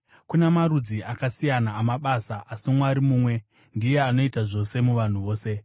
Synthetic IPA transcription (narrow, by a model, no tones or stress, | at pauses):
kunemarud͡ziʔakasijanaːmaɓasaʔasimwaɾimuːmwe̞ | ndije̞ano̞itaʐo̞se̞muʋan̤uʋo̞ːse̞